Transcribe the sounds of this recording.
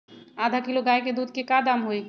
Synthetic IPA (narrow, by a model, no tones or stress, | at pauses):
aːd̪ʱakɪloɡaːeked̪uːd̪̚ʱkekad̪aːmɦoe